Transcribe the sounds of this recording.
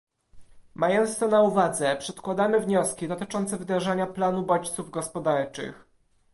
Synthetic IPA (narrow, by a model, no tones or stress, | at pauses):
majɔnt̪st̪ɔnauvad̪zɛpʂɛt̪kwad̪amɘvɲɔskʲid̪ɔt̪ɘt͡ʂɔnt̪sɛvɘd̪ɾaʐaɲaplanubɔt͡ɕt̪suvɡɔspɔd̪aɾt͡ʂɘ̰x